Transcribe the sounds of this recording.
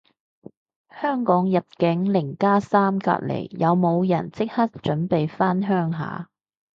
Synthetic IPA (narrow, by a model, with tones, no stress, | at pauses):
hœː˥ŋkɔː˨˥ŋjɐ˨t̚kɪ˨˥ŋlɪ˨˩ŋkaː˥saː˥mka̰ː˧t̚lḛ˨˩jjɐ˨˧wmo˨˧wjɐ̰˨˩nt͡sɪ˥k̚hɐ˥t̚t͡ʃɵ˨˥npe˨jfaː˥nɦœː˥ŋɦa̰ː˨˥